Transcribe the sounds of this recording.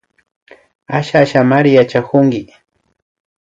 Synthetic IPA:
aʃaʃamaɾɪjat͡ʃakʊŋɡɪ

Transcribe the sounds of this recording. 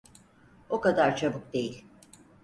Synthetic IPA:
o̞kad̪aɾt͡ʃʰabɯk̚d̪e̞jilʲ

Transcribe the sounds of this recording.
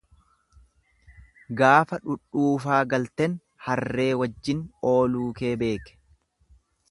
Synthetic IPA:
ɡaːfɐᶑʊɗːuːfaːɡɐlt̪ɛn | hɐrrːe̞ːwɐd͡ʒːɪno̞ːluːkeːbe̞ːkɛ̥

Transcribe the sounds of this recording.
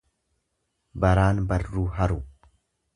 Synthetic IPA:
bɐɾaːnbɐrːuːɦɐɾu

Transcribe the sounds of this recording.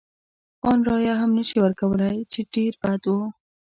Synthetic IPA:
ɑnɾɑjɑɦamnəʃiwəɾkawəlajt͡ʃeɖeɾbat̪wu

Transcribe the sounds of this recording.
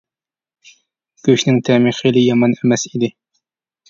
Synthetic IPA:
ɡ̥ʲøʃnɪŋt̪ʰɛmiχilɪjɑmɑnemɛsid̪ɪ

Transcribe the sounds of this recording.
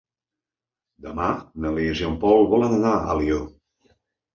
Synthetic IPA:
d̪əmanəlizjompɔlˠβɔlənənaə̰lio

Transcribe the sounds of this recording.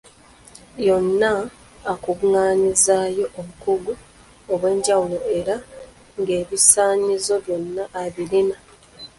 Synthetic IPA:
jo̞nːaː | kuβuŋaːɲizaːjo̞ʔːβukuɡu | oβwe̞ːɲɟawuloe̞ɾa | ŋɡe̞ːβisaːɲizo̞βjo̞nːaʔːβilina

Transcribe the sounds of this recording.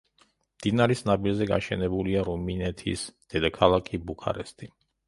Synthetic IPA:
md̪̥inaɾisnabilzɛɡa̰ʃɛnɛbuliaɾuminɛt̪ʰḭsd̪̥ɛd̪akʰalˠakʰibukʰa̰ɾɛst̪ʼi

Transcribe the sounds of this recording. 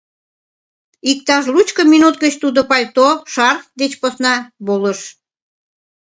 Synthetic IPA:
ik̚t̪ɑʃlut͡ɕkəminut̪̚ɡət͡ɕt̪ud̪opɑlʲt̪oʃɑrd̪et͡ɕposnɑβoləʃ

